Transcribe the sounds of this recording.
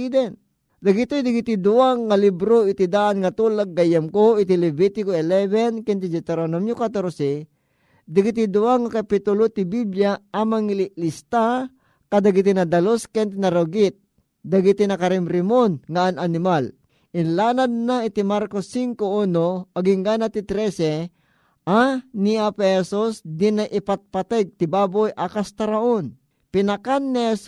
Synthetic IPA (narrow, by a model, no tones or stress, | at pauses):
id̪ɛn | d̪ɐɡit̪ojd̪ɪɡit̪id̪ʊaŋalibɾoʔɪt̪id̪aʔanŋɐt̪uːlaɡ̚ːajɐmkoɪt̪ilɛbit̪ɪkoɛlɛvɛnkɛnt̪id͡ʒɛt̪ɛɾonomjukat̪oɾosi | d̪ɪɡit̪̬id̪ʊaŋakapit̪ʊlot̪ibibljaamaŋɪlɪʔlist̪a | kad̪ɐɡit̪̬inɐd̪ɐloskɛnt̪inɐɾoɡɪt̪̚ | d̪ɐɡit̪inɐkɐɾɛmɾɪmonŋaʔananɪmal | ɪnlaːnad̪̚naɪt̪imaɾkosːiŋkouːnoʔɐɡɪŋɡaːnat̪it̪ɾɛsɛ | ʔaniapɛhɛsusd̪ɪnajʔɪpat̪̚pat̪ɛɡ̚t̪ɪbaːbojʔakast̪ɐɾaʔon | pɪnakanːihɛs